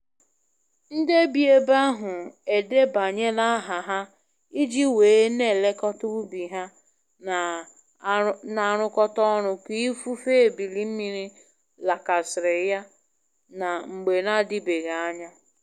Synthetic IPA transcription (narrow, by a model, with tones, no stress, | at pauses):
n̩˦de˦bi˨e˦ba˦ɦʊ˨e˨de˦ba˨ɲe˦na˦ɦa˨ɦa˦ | i˦d͡ʒi˦weː˨˦ne˦˨le˦kɔ˦tʊ˦bi˨ɦa˦˨ | na˨ɾ̃ʊ˦kɔ˦tɔ˦ɾʊ˨ki˦fu˦fe˦˨bi˨li˦m̩˦mi˦ɾi˦ | la˨ka˨sɪ˨ɾɪ˨ja˦ | na˨ŋ͡m̩˨ɡ͡be˨na˦di˦be˨ɣa˨a˦ɲa˦